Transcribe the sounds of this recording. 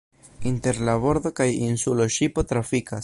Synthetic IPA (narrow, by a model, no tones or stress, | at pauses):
inte̞ɾlabo̞ɾd̪o̞kajinsuloʃipo̞tɾafikas